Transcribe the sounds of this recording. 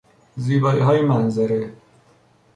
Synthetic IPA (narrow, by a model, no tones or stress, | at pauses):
ziːbɒːiːɦɒːjemænzæɾe